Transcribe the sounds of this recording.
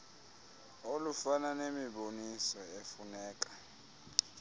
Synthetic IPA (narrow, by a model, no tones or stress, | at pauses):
olufananemiɓonisɔefunɛːk̬ʼḁ